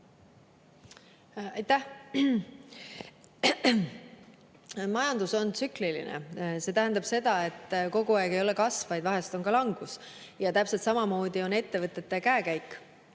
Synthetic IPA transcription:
ɑjt̪ːæh | mɑjɑnd̪uso̞nt̪syklilḭnḛse̞t̪æɦænd̪ɑb̥se̞d̪ɑe̞t̪ːˑko̞ɡ̥uɑːɡ̥e̞jo̞le̞kɑsvɑjd̪̥vɑɦe̞st̪o̞nkɑlɑŋɡ̥us | jɑt̪æpse̞lt̪sɑmɑmo̞ːd̪̥io̞ne̞t̪ːe̞vɤt̪ˑːe̞t̪ːˑekæːkæjkːˑ

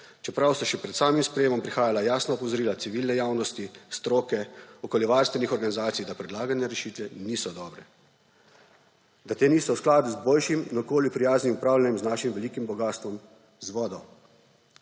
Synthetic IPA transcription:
t͡ʃɛpɾawst̪ɔʃɛpɾɛt̪saːmimspɾɛjeːmɔmpɾixaːjalajaːsnɔɔpɔzɔɾiːlat̪siʋiːlnɛjaːwnɔst̪ist̪ɾoːkɛɔkoljɛʋaɾst̪ʋɛnixɔɾɡanizaːt̪sijd̪apɾɛd̪laːɡanjaɾɛʃiːt̪ʋɛniːsɔd̪ɔːbɾɛ | d̪at̪eːniːsɔwsklaːd̪uzboːlʃiminɔkoːljupɾijaːznimupɾaːwlʲjanjɛmznaːʃimʋɛliːkimbɔɡaːst̪ʋɔm | zʋɔːd̪ɔw

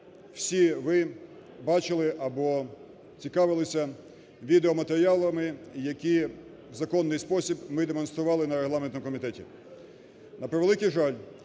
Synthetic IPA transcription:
w̥sʲiʋɪ | bɑt͡ʃɪlˠɪʔɐbɔ | t͡sʲikɑʋɪlˠɪsʲɐ | ʋʲid̪eɔmɐt̪eɾʲɪjɑlˠɐmɪjɐkʲi | wzɐkɔnːɪjspɔsʲibmɪd̪emɔnst̪ɾʊʋɑlˠɪnɐɾeɦlˠɑment̪ɔmkɔmʲit̪ɛtʲḭ | nɐpɾeʋelˠɪkijʒɑlʲ

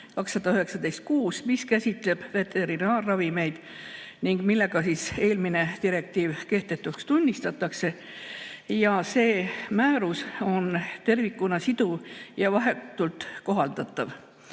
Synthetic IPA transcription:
kɑksːɑd̪̥ɑyɦe̞ksɑd̪e̞jst̪̚kuːsmiskæsʲit̪ˑle̞b̥ve̞t̪e̞ɾinɑːrːɑvime̞jd̪̥ | niŋɡ̥milːe̞ɡ̥ɑsise̞ːlmine̞t̪iɾe̞k̚t̪iːvke̞ht̪e̞t̪ːˑukst̪unʲːist̪ɑt̪ːˑɑkse̞ | jɑse̞ːmæːɾuso̞nt̪e̞rvikːˑunɑsid̪̥ujɑvɑɦe̞t̪ːˑult̪ˑko̞ɦɑld̪̥ɑt̪ːˑɑv

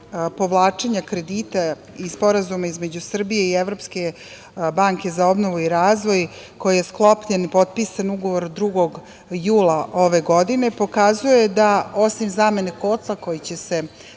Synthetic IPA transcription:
po̞ʋlˠaːt͡ʂe̞ɲakɾe̞d̪iːt̪a | ispo̞ɾazumaizme̞d͡ʑusr̩bije̞ieʋɾo̞ːpske̞ | baŋke̞zao̞bno̞ʋuiɾaːzʋo̞j | ko̞jije̞sklˠo̞pʎenipo̞t̪̚pisanuɡo̞ʋo̞ɾd̪ɾuɡo̞ɡ | juːlˠaʔo̞ʋe̞ɡo̞d̪ine̞po̞kazuje̞d̪ao̞simzaːme̞nekot̪lˠako̞jit͡ɕe̞se̞

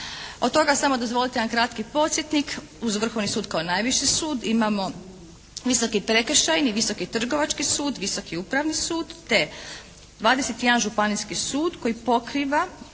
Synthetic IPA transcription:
od̪̚t̪o̞ɡasamo̞d̪o̞zʋo̞lit̪eankɾat̪kipo̞t̪sjet̪nik | uzʋr̩xo̞ʋnisuːd̪kaonaːjʋiʃisuːd̪imamo̞ | ʋiso̞kipɾe̞kr̩ʃajniʋiso̞kit̪r̩ɡo̞ʋat͡ʃkisuːd̪ʋiso̞kiupɾaʋnisuːd̪t̪e̞ | d̪ʋaːd̪eset̪jed̪anʒupaniskisuːd̪ko̞jipo̞kɾiʋa

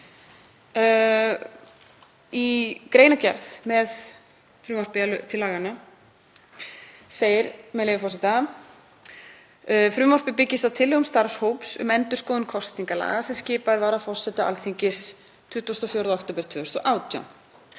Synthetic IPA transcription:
ikɾeːjnacɛ̰ɾθmɛð | fɾʏːmɔr̥pɪalʏt̪ʰɪlːaːɣana | seːjɪɾmɛðlejvɪfɔsɛt̪a | fɾʏːmɔr̥pɪpɪcːɪst̪at̪ʰɪlːɛɣʏmst̪aɾ̥showpsʏ̰mɛnt̪ʏɾ̥skoːðʏnkʰɔst̪niŋkala̰ːɣasɛmscɪːpaɪɾvaːɾafɔr̥sɛt̪aʔa̰lθiɲcɪs | t̪ʰʏht̪ːvast̪ɔfjowɾðaɔkt̪oːpɪɾt̪ʰvʏːʏst̪ɔʔaːwt̪ja̰wn

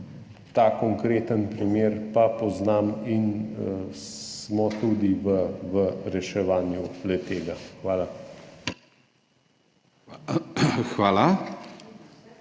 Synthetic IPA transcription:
t̪akɔŋkɾeːt̪ənpɾimeːɾpapɔznaːmin | smɔt̪ud̪iʋəʋəɾɛʃɛʋaːnjulɛt̪eːɡaxʋaːla | xʋaːla

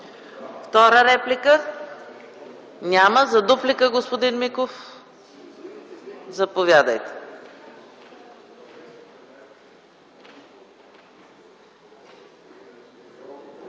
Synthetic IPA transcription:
ft̪ɔɾəɾɛplikə | nʲaməzɐd̪uplikəɡospod̪inmikof | zɐpovʲjad̪əjt̪ɛ̥

